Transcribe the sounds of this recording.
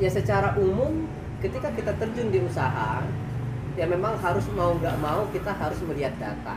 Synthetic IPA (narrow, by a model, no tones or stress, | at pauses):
jasət͡ʃaɾaʔumʊm | kət̪ikakit̪at̪ərd͡ʒʊndiusaɦa | jaŋmemaŋɦaɾʊsmauŋɡaʔmaukit̪aɦaɾʊsməɾiat̪̚da̰t̪a̰